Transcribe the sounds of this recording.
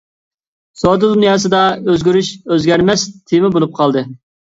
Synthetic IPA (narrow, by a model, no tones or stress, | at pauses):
sod̪ɨd̪unjɑːs̬ɨd̪ɑøzɡʲyɾyʃøzɡʲɛɾmɛst̪ʰemɪbolˠup̚qʰɑlˠd̪ɨ